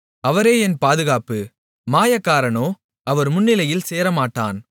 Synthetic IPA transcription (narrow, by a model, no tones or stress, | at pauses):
ɐʋɐɾeːɛnpaːðɯɣaːpɯ | maːjɐkːaːɾɐnoː | ɐʋɐɾmʊnːɪlɐjɪlseːɾɐmaːʈːa̰ːn